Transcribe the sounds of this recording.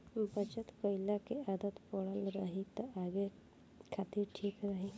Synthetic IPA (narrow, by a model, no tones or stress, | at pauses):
bʱət͡ʃət̪kəjlakead̪ət̪poɽalɾaɦit̪əaɡe | kʰat̪iːɾʈʰiːkɾaɦi